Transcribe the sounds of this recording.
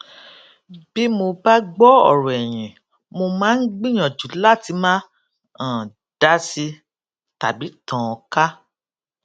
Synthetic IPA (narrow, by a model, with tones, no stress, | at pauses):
b̥i˦mo˧ba˦ɡ͡bɔ˦ɔ̰˨ɾɔ˨ɛ˨j̃ĩ˨ | mo˧mãː˦n̩˦ɡ͡bĩ˦j̃ã˨d͡ʒu˨˦la˦˨ti˨˧˦mãː˦ | ã˨ | d̥a˦si˧ | ta˨bi˨˦tɔ̃˨˧ka˦